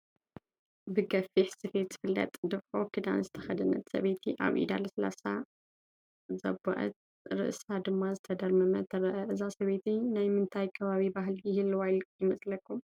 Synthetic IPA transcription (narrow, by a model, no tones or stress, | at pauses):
bɨɡɐfiħsɨfe̞t̪zɨ̥fɨlːɐ̰t̪ʼd̪ɨβħokʰɨd̪a̰nzɨt̪ʰɐ̥xɐd̪ɨnɐ̰t̪sɐ̰βet̪ʰiʔa̰βʔḭd̪a̰lsla̰sa | zɐ̰bɐ̰ʔɐ̰t̪̚ | ɾɨ̰ʔsad̪ɨmːazɨt̪ʰɐd̪ɐɾmɐmɐt̪ʰɐɾɐʔɐʔɨzasɐβet̪ʰinajmɨnt̪ʰajkʰɐβaβibaɦljɪhɨlwajljɪmɐsʼlɐkʰːum